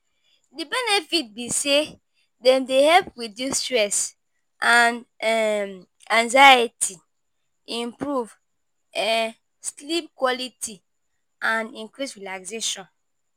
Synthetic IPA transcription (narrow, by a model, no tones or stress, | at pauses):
dibɛnɛfit̚bise | dɛ̃mdehɛlpwidistɹɛs | ʔãnm | ãŋzajitʰi | ĩmpɹuv | ɛ | slip̚kwɔlitʰi | ãnĩŋkɹisɹilakseʃɔ̃n